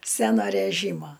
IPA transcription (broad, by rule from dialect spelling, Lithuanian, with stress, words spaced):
ˈsʲænoː rʲæˈʒʲiːmoː